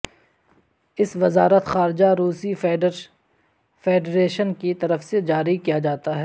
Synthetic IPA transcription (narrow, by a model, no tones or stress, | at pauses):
ɪsʋɪzaːɾət̪xaːɾɪd͡ʒaɾuːsi | feːɖɾeːʃənkit̪ɐɾəfsed͡ʒaːɾikijad͡ʒaːt̪aɦɛː